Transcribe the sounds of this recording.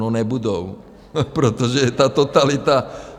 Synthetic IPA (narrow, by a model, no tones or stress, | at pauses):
ɔnɛbud̪ɔw | pɾɛt̪ɔʒɛt̪aːt̪ɔt̪alit̪a